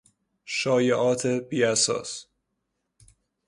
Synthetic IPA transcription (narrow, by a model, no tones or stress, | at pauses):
ʃɒːjeʔɒːt̪ʰebiːæsɒ̰ːs